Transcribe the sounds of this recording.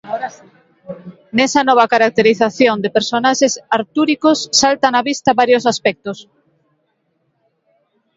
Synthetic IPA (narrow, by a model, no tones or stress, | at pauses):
nɛsɐnɔβ̞ɐkaɾak̚t̪eɾiθaθjond̪epeɾsonaʃesaɾt̪uɾikosːalt̪anaβist̪ɐβaɾjosaspɛk̚t̪os